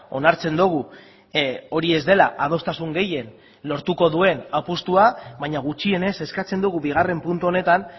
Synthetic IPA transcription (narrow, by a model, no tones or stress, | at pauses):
o̞̰naɾt͡se̞nd̪uɣ̞u | o̞ɾie̞zd̪e̞laʔað̞o̞st̪asuŋɡe̞je̞n | lo̞ɾt̪uko̞ðue̞napust̪uaβaɲaɣ̞ut͡ʃie̞ne̞se̞skat͡se̞nd̪uɣuβiɣ̞are̞mpunt̪uo̞ne̞t̪an